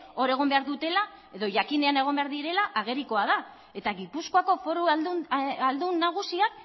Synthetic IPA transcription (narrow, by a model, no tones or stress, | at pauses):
o̞ɾe̞ɣ̞o̞mbe̞aɾðut̪e̞la | e̞ðo̞ʝakine̞ane̞ɣ̞o̞mbe̞aɾðiɾe̞laʔaɣ̞e̞ɾiko̞að̞a | e̞t̪aɣipusko̞ako̞fo̞ɾu | ald̪unːaɣ̞usiak̚